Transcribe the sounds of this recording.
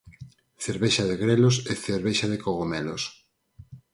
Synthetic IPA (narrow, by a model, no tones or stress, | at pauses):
θeɾβeʃaðeɣɾeloseθeɾβeʃaðekoɣomɛlos